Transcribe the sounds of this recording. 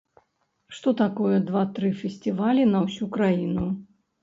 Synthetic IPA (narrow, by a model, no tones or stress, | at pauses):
ʂt̪ɔt̪akɔjɛd̪vat̪ɾɨfʲɛsʲt̪ʲɨvalʲinɐwsʲukɾajinu